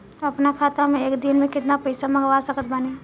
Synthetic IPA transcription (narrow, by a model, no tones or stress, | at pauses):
ɐpnakʰaːt̪amẽeːkd̪ɪnmẽkɪt̪napəɪsamɐɡʋasəkət̪bane